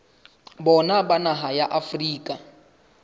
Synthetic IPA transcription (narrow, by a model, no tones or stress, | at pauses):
bɔnabanaɦajaʔafriːkʼa